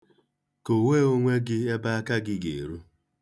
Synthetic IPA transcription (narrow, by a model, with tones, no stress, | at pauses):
ko˨we˦˨o˦ŋʷe˦ɡɪ˦e˦ba˦a˦ka˦ɡɪ˦ɡe˨ɾu˦